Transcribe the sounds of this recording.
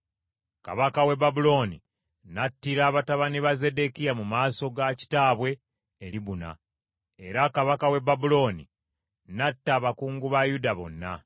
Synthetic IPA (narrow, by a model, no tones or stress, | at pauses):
ka̰βakawe̞babulo̞ːni | natːiɾaːβataβaniβaze̞de̞kijamumaːso̞ɡaci̥taːβwe̞ː | ɾiβuna̰ | e̞ɾakaβakawe̞babulo̞ːnḭ | natːaːβakuːŋɡuβajudaβo̞̰nːa̰